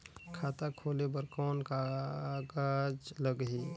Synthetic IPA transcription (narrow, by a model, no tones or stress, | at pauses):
kʰat̪akʰolebəɾkɔːnkaɡad͡ʒləɡɦi